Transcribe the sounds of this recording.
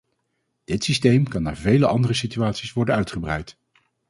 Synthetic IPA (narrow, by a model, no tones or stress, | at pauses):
d̥ɪtsistejmkɑnːa̰ːɹvejləʔɑndərəsityaːtsisʋɔɹdənœɥtχəbrɛ̰jt